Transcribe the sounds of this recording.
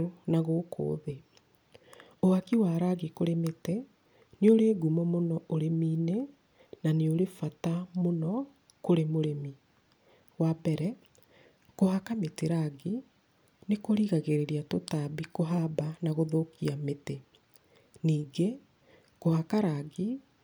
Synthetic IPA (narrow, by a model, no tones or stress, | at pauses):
onaɣokʰo̰ːðe | oakiwaːɾaɣikoɾemete | neoɾeːɡumɔmonɔʔoɾemiːne | naneoɾefatamonɔ | koɾemoɾemi | wabɛɾɛ | kohakameteɾaɡi | nekoɾiɣaɣeɾeɾiatotabikoɦabanaɣoðokiamete | niːɡe | kohakaɾaɣi